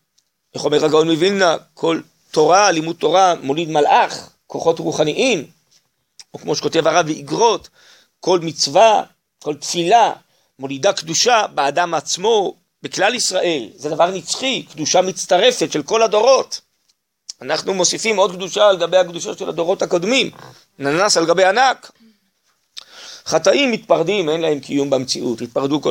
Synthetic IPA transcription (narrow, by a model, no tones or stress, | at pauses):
ʔeχomeʁaɡaonmevinːakʰo̞l | to̞ʁalimud̚t̪ːo̞ʁamo̞lid̪malʔaχ | ko̞χo̞tʁuχaniʔim | okmo̞ʃe̥ko̞te̞vaʁavbeiɡʁo̞t | ko̞lmit͡sva | ko̞lt̪fila | mo̞lidakd̪uʃabeadamat͡smo̞ | beklalisʁaʔe̞lze̞d̪avaʁnit͡sχikd̪uʃamit͡st̪aʁe̞fe̞tʃe̞lko̞lado̞ʁo̞t | anaχnumo̞sifimo̞d̪kd̪uʃaleɡabejhakd̪uʃoʃelad̪o̞ʁo̞thakod̪mim | nanasaleɡabejanak | χat̪aʔimːit̪paʁd̪ime̞nlahe̞mkʰijumbemt͡siʔut̪it̪̚paʁd̪uko